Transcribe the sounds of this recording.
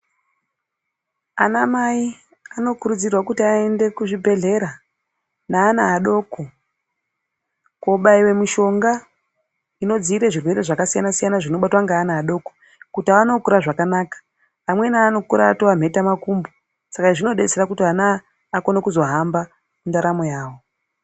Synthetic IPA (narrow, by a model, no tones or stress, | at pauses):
a̰namai | ano̞kuɾud͡zirwakutiaende̞kuʐibʱe̞ɮe̞ɾa | naːnaːɗo̞ːko | koɓaiwe̞miʃo̞ŋɡa | ino̞d͡ziiɾeʐirwe̞ɾe̞ʐakasijanasijanaʐino̞ɓatwaŋɡaːnaːɗo̞ːko | kutaanokuɾaʐakanaːkḁː | mwe̞naːno̞kuɾaːtoam̤ʱe̞tamakumbo | sakaʐino̞ɗe̞t͡seɾakutiɦanaː | konekuzo̞ɦamba | mundaɾamojaːwo̞